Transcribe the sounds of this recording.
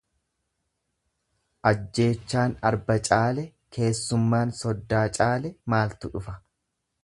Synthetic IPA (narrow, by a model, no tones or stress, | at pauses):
ʔɐd͡ʒːe̞ːt͡ʃːaːnɐɾbɐt͡ʃʼaːlɛ | kʰe̞ːsːʊmːaːnsɔd̪ːaːt͡ʃʼaːlɛmaːlt̪ʊᶑʊfɐ